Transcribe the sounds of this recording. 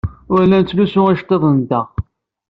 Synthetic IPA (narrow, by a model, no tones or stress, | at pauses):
ʊɾlænt͡s̪ːlusʊʁæʃt̪ˤeðˤənd̪æ